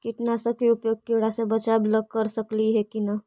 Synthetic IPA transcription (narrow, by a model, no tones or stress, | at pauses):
kɪʈnasəkiupjoːɡ̚keɽasebət͡ʃabləɡ̚kəɾsəkliɦɛkina